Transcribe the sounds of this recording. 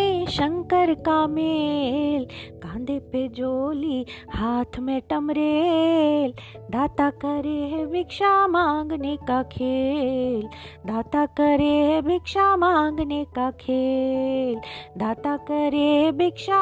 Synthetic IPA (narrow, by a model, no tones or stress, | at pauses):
eʃɐŋkəɾkaːmelkãːnd̪ʱeped͡ʒoːlihaːt̪ʰmeːʈɐmɾe | l | d̪aːt̪akɐɾeɦbikʃamaŋɡnekakʰeːld̪aːt̪akɐɾeɦbikʃamaŋɡnekakʰe | ld̪aːt̪akɐɾeɦbikʃa